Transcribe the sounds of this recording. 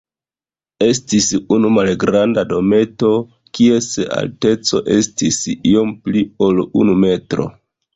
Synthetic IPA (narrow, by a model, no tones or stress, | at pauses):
e̞stisunumalɡɾandado̞me̞to̞ | kie̞sea̰lte̞t͡so̞ʔe̞stisio̞mplio̞lṵnume̞tɾo̞̰